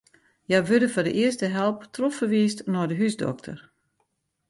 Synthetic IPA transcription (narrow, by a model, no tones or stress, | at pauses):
jajʋødəfɔdə̰ʔɪəstəɦɛlˠptrɔffərʋiːstnɔdəɦysdɔ̰k̚tʰə̰r